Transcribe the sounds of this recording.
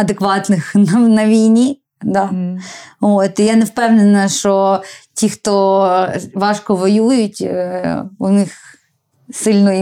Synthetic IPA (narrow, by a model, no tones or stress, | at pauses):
ɐd̪ekʋɑt̪nɪxnɐnɐʋʲijnʲi | d̪ɑ | ot̪ɪjanewpɛwnenɐʃt͡ʃɔtʲixt̪ɔ | ʋɑʃkɔʋɔjujʊtʲ | ʊnɪx | sɪlʲnɔj